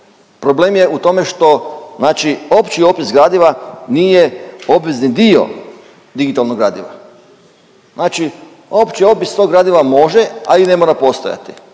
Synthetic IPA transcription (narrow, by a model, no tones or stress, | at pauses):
pɾobleːmje̞ʔut̪o̞me̞ʃt̪o̞znaːt͡ʃio̞pt͡ʃio̞pisɡɾaːd̪iʋanije̞o̞bʋeznid̪io̞̰ | d̪iɡit̪alˠnoɡɾaːd̪ḭʋa̰ | znaːt͡ʃi | opt͡ʃio̞pist̪oɡɾaːd̪iʋamo̞ʒeaine̞mo̞ɾapo̞st̪o̞ja̰t̪i̥